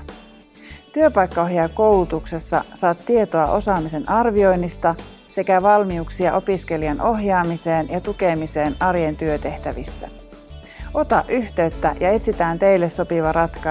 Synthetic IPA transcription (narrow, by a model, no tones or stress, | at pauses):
t̪yøpɑjkːɑo̞ɦjɑko̞wlut̪ukse̞sːɑ̰sɑːt̪ːie̞t̪oɑʔo̞sɑːmise̞nʔɑrʋio̞jnːist̪ɑ | se̞kæʋɑlmiuksiɑʔo̞pisk̟e̞liɑnʔo̞ɦjɑːmise̞ːnjɑt̪uke̞mise̞ːnɑrjent̪yøt̪e̞ht̪æʋisːæ̰ | o̞t̪ɑʔyçt̪e̞yt̪ːæjɑe̞t̪sit̪æːnt̪e̞jlːesːo̞piʋɑɾʔɑt̪kɑ